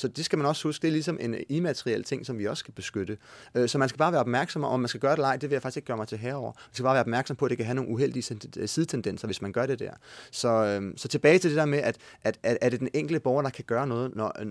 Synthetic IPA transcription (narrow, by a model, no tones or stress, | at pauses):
sɒ̽d̥e̝sɡ̥æmænɒ̽shusɡ̥̚d̥e̝ɐlisɒ̽mʔe̝nimæt͡sʰeʁielt͡sʰe̝ŋ̰sɒ̽mʋiɒ̽sɡ̥æb̥e̝sɡ̥ød̥əøsɒ̽mænsɡ̥æb̥ɑ̈ːʋæːɐɒb̥mæɐɡ̥sɒ̽mɒmænsɡ̥æɡ̥ɶɐɾ̥e̝lɑ̈ɪ̰d̥e̝ʋe̝jäfɑ̈ɡ̥iseɡ̥ɶɐmɑɪt͡sʰe̝ɦɛːɐɒ̰ɐmænsɡ̥æb̥ɑ̈ːʋæːɐɒb̥mæɐɡ̥sɒ̽mpʰɒ̽æd̥e̝kʰæɦæno̝ːŋn̩uɦel̰d̥iəsið̞ˠt͡sʰend̥en̰sɐʋe̝smænɡ̥ɶɐɾ̥e̝d̥æ̰ɐ̰sɒ̽øsɒ̽t͡sʰe̝b̥ɛːɪt͡sʰe̝ld̥ed̥eɐmeʔæd̥ʔæd̥ææɐɾ̥e̝d̥eneŋ̰ɡ̥l̩dəb̥ɒʊɐɾ̥ɑ̈kʰæɡ̥ɶːɐnɔ̽ːð̞̩ˠnɒ